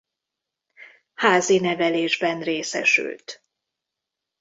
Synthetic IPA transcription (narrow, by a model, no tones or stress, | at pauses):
haːzinɛvɛleːʒbɛnreːsɛ̰ʃy̰lt̪